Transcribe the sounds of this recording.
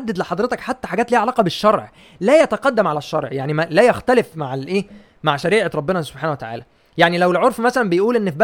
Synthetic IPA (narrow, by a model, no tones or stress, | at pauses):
ad̪ːæd̪leħɑd̪ˤɾet̪ɑkħat̪ːæħaɡæːt̪liːʕalæːqɑbeʃːɑɾˤʕ | læjæt̪æqɑd̪ːæmʕalæʃːɑ̰ɾˤʕjaʕnimælæjæxt̪ælefmaʕlʔeː | maʕʃæɾiːʕeɾˤɑbːenɑso̥b̥ħaːnæwet̪aʕa̰ːlæ | jaʕnilæwelʕoɾˤfmæsælænbejʔuːlʔenːfibæ